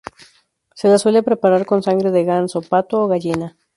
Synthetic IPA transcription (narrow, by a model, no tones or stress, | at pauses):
se̞laswe̞le̞pɾe̞paɾaɾko̞nsaŋɡɾe̞ðeɣansopat̪ooɣaʎina